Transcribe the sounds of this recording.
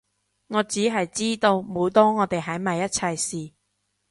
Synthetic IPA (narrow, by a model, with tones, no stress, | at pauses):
ŋɔː˨˧t͡siː˨˥ɦɐ˨jt͡siː˥t̪o˧wmo˨˧wt̪ɔː˥ŋɔː˨˧t̪e˨jɦɐ˨˥jmɐ˨jːɐ˥t̚t͡sʰɐ˧jsiː˨˩